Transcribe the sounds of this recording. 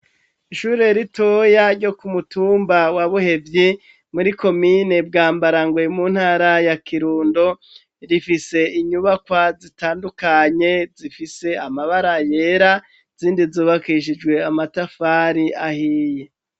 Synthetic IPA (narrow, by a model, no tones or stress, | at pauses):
iʃuːɾe̞ɾito̞jaɾɟo̞kumutuːmbawaβuhe̞vji | muɾiko̞mine̞b̚ɡaːmbaɾaŋɡwemunhaːɾajakʰiɾuːndo̞ | ɾifise̞iɲuβakwazitaːndukaɲe̞zifise̞amaβaɾaje̞ɾa | z̥iːndizuːβakiʃ̬id͡ʒɡwe̞amatafaɾiʔahiːje